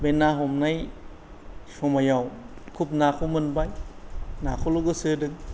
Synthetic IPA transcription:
benːaɦomnaj | somajawkʰup̚naːkʰumɯnbajnaːkʰuloɡɯsɯdɯŋ

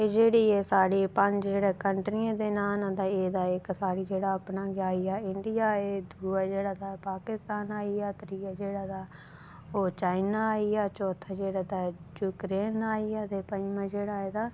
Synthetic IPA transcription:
eːd͡ʒeːɽiːeːsaːɽiːpəɲd͡ʒd͡ʒeːɽeːkəɳʈɾiãːd̪eːnaːnãːd̪aːeːd̪aːɪksaːɽiːd͡ʒeːɽaːapnaːɡaːiaːɪɳɖɪjaːeːd̪ʱuːaːd͡ʒeːɽaːd̪aːpaːkɪst̪aːnaːiaːt̪ɾiːaːd͡ʒeːɽaːd̪aː | oːt͡ʃaːɪnaːaːiaːt͡ʃɔːt̪ʰaːd͡ʒeːɽaːd̪aːjuːkɾeːnaːiaːd̪epəɲd͡ʒmãːd͡ʒeːɽaːeːd̪aː

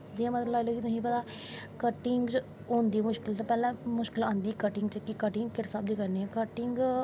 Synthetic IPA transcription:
d͡ʒiãːmət̪ləbaːɪloːkiːt̪ʊsĩːpət̪aː | kəʈɪŋɡt͡ʃ | oːnd̪iːmʊʃkɪlt̪opɛːlãːmʊʃkɪlãːnd̪iːkəʈɪŋɡt͡ʃəkikəʈɪŋɡkɪɾɪsaːb̚d̪iːkəɾneɛ̃kəʈɪŋɡ

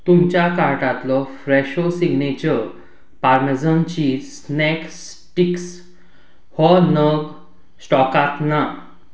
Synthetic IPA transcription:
t̪umt͡ɕjakaɾʈat̪lɔfɾeɕosiɡnet͡ɕəɾ | paɾmed͡zənt͡ɕisnɛks | ʈiks | hɔnəɡ | sʈɔkat̪na

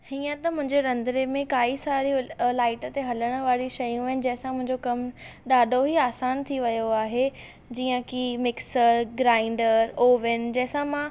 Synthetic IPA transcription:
hiːə̃t̪ɐmʊ̃ɦɪ̃ɲd͡ʑeɾɐ̃nd̪ɾemẽkaːisaːɾilaːɪʈə̆t̪eɦɐləɽ̃ə̆ʋaːɾiʃɐjũʋɐɪnɪ̆d͡ʑɐ̃ɦɪ̃sãmʊ̃ɦɪ̃ɲd͡ʑokɐmɗaːɖʱoɦiaːsaːnt̪ʰiʋɐjoaːɦe | d͡ʑiːə̃kimɪksəɾɡɾaːɪ̃ɳɖəɾoːʋɪnd͡ʑɐ̃ɦsãmã

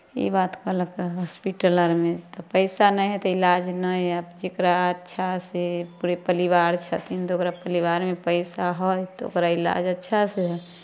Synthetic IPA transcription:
ḭbat̪kələkɦɔspiʈələɾmẽt̪ɔpəɪsanə̃ɦɛt̪ɔilad͡ʒnəjəbd͡ʒekɾaətːʃʰasepuɾepəliʋaɾt͡ʃʰət̪int̪oːkɾapəliʋaɾmepəɪsaɦojt̪ɔo̰kɾaila̰d͡ʒətːʃʰaseɦ

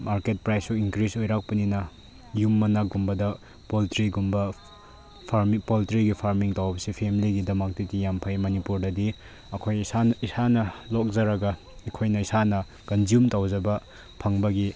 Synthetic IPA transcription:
maɾket̚pɾajsuiŋkɾisojɾak̚pɐninɐ | jumːɐnɐɡumbɐdɐ | poltɾiɡumbɐ | pʰaɾmipoltɾiɡipʰaɾmiŋtawbɐsipʰemiliɡidɐmɐk̚tidijampʰajmɐnipuɾdɐdi | ɐkʰojsaisanɐlok̚zɐɾɐɡɐ | ikʰojnɐisanɐ | kɐnzijumtawzɐbɐ | pʰɐŋbɐɡi

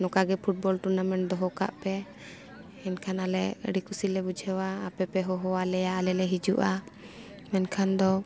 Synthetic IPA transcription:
nɔkaɡɛpʰuʈ̚bɔlʈuɾnamɛɳ̚d̪ɔɦɔka̰ʔpɛ | ɛnkʰanalɛə̰ɖikusilɛbud͡ʒʱɛwaːpɛpɛɦɔɦɔwalɛjaʔlɛlɛɦid͡ʒuʔa | mɛnkʰand̪ɔ

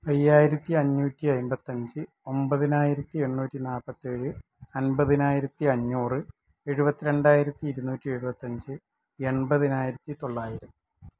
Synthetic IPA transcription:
ɐjːaːjiɾɐt̪ːiɐɲːuːtːiɐjmbɐt̪ːɐɲd͡ʑɨ | o̞mbɐðinaːjiɾɐt̪ːie̞ɳːuːtːinaːpːɐt̪ːeːɻɨ | ɐnbɐðinaːjiɾɐt̪ːiɐɲːuːrɨ | e̞ɻubɐt̪ːiɾe̞ɳɖaːjiɾɐt̪ːiːɾunːuːtːie̞ɻubɐt̪ːɐɲd͡ʑɨ | e̞ɳbɐðinaːjiɾɐt̪ːit̪o̞ɭːaːjiɾɐm

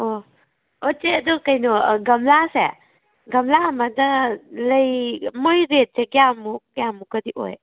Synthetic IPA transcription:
o | ot͡ʃeɐdɔkɐjnɔɡɐmlase | ɡɐmlaɐmɐdɐlɐjmojɾet̚seɡjamuɡjamukɐdiʔo̰j

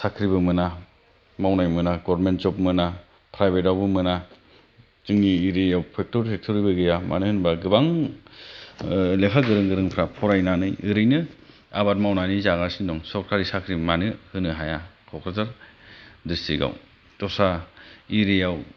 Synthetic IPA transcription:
sakʰɾibɯmɯna | mawnajmɯnaɡɔɾɾmentzɔp̚mɯna | pʰɾajbet̬awbɯmɯna | zɯŋniːɾejawpʰek̚tɔɾtʰek̚tʰɔɾibɯɡɯjama̰nɯhɯnbaɡɯbaŋ | lekʰaɡɯɾɯŋɡɯɾɯŋpʰɾapʰɔɾajnanɯjɯɾɯjnɯ | abat̚mawnanizaɡasindɔŋsɔɾkʰaɾisakʰɾimanɯhɯnɯɦajakʰɔkʰɾataɾ | distʰiɡa̰w | tɔsaiɾejaw

